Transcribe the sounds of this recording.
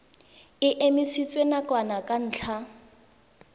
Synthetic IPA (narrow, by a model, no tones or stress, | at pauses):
ɪʔemisit͡sʼwenakʼwanakʼan̩ːt͡ɬʰa